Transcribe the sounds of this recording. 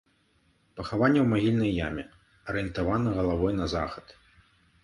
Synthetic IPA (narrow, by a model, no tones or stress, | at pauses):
pɐxavanʲːɛwmaɣʲilʲnɐjːamʲɛ | ɐɾɨjɛnt̪avanɐɣɐlˠavɔjnɐza̰xɐt̪